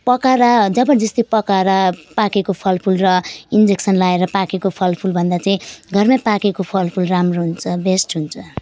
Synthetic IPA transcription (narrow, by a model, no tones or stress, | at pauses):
pʌkaɾad͡zʌbʌd͡zʌst̪ipʌkaɾapakekopʰʌlpʰulrʌind͡zeksʌnlaeɾʌpakekopʰʌlpʰulbʱʌnd̪at͡saĩɡʱʌrmapakekopʰʌlpʰulramroɦunt͡sʰʌbesʈɦunt͡sʰʌ